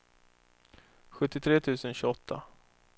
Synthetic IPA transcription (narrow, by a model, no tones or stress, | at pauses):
ɧɵt̪ːɪt̪ʰɾeːt̪ʰʉ̟ːsənɕʉːɔt̪ʰːa̰